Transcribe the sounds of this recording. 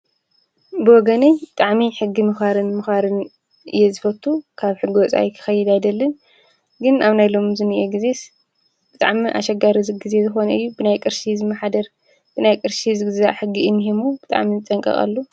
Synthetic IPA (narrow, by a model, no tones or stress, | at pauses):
bɨwɔɡɐnebɨt̪ʼaʕmiħɨɡːimɨxaɾɨnmɨxaɾɨn | ʔɨ̰jezɨfɐt̪ʰːukʰaβħɨɡːiwɔt͡sʼa̰jkʰɨ̥xɐjːɪd̪ajd̪ɐlːɨn | ɡɨnaβnajlo̞mzɨnɨʔeɡizes | b̥ɨt̪ʼa̰ʕmiʔa̰ʃɐɡaɾizɨɡɨze̞zɨxo̞nɐɨjːubɨnajkʼɨɾʃizɨmːɐħad̪ɐɾ | b̥ɨnajkʼɨɾʃizɨɡzaħɨɡːiɨnɦemubɨt̪ʼa̰ʕmizɨt͡sʼɐŋkʼɐ̰χʼa̰lːu